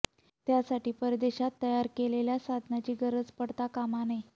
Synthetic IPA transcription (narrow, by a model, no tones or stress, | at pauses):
t̪jasaʈiːpəɾd̪eɕat̪ːəjaɾkeleljasad̪ʱnat͡ɕiːɡəɾəd͡zpəɽt̪akamanej